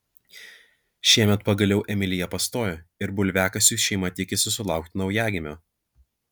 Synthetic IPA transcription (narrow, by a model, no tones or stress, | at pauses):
ʃʲiɛmʲɛt̪pɐɡɐlʲɛʊʔɛmʲɪlʲɪjɛpɐst̪oːjoɪɾbʊlʲʋʲæːkɐsʲuːˑʃʲɛɪmɐt̪ʲiɛkʲɪsʲɪsʊlˠɑˑʊk̚t̪ʲɪnɐʊjæːɡʲɪmʲoː